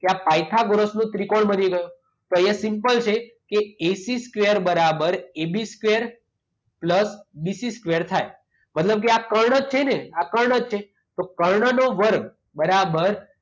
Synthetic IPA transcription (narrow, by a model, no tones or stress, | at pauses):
keapajt̪ʰaɡoɾəsnũt̪ɾikoɳbəniɡəjõ | t̪oesimpəlt͡ʃʰe | keesiskʋeəɾbəɾabəɾebiskʋeəɾ | pləsbisiskʋeəɾt̪ʰaj | mət̪ləb̚k̬eakəɾɳət͡ʃʰeneakəɾɳəd͡ʒt͡ʃʰe | t̪okəɾɳənoʋəɾɡ | bəɾabəɾ